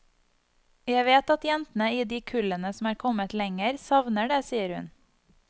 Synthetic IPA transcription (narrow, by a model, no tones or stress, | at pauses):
jæɪʋeːt̪ɑt̪jɛnt̪n̩əiːd̪iːkʰʉlənəsm̩æːɾkʰɔmət̪lɛŋəɾsɑʋnəɖeːsiːəɾhʉ̰n